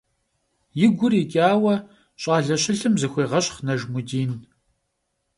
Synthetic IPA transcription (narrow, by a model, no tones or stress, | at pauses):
jɪɡʷʊrikʲʼaːwɐ | ɕʼaːɮɐɕʼɪɬɨmzɨxʷeːʁɐɕχnɐʒmʊdiːn